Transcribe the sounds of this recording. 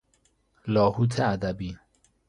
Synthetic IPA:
lɔːhut̪ʰead̪abiː

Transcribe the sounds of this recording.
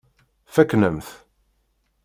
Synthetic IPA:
fæknəmθ

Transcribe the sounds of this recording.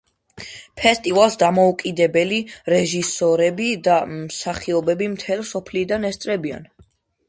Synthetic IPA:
pʰɛst̪ʼivalˠsd̪amɔukʼid̪ɛbɛliɾɛʒisɔɾɛbid̪amsaχiɔbɛbimt̪ʰɛlsɔpʰlid̪anɛst̪sʼɾɛbia̰n

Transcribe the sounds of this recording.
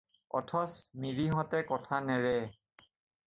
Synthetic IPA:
ɔ̰tʰɔsmiɹiɦɔtɛkɔtʰanɛɹɛ

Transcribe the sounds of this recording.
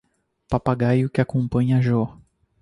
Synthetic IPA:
papaɡajʊkɪakõpɐ̃ɲɐʒɔ

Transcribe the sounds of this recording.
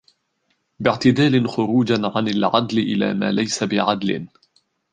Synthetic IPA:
bɪʕt̪ɪd̪aːlɪnxʊɾuːd͡ʒanʕanalʕad̪lɪʔɪla̰ːma̰ːlajsabɪʕad̪lɪ̰n

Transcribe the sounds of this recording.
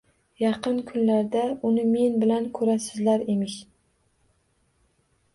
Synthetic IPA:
jɑqʰɨnkʰʊnlaɾd̪aʊnɪme̞nbɪlankʰɵɾasɪzlaɾemɪʃ

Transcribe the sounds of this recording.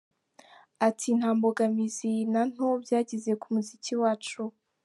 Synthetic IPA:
atʰin̥haːmboɡamizinan̥ho̞bjaːɟize̞kumuziciwaːt͡ʃu

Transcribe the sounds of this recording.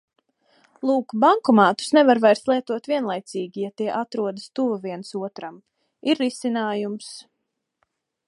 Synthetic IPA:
lˠuːkbaŋkɔmaːt̪u̥snɛvaɾvajɾst̪lˠiɛt̪uɔt̪viɛnlˠajt̪siːɡʲijat̪iɛʔat̪ɾuɔd̪ast̪uvaviɛnsuɔt̪ɾam | iɾːisinaːjums

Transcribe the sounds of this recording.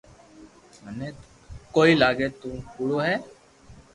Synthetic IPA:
əneː | koːiːlaːɡeːt̪ũːkuːɽoːɦɛː

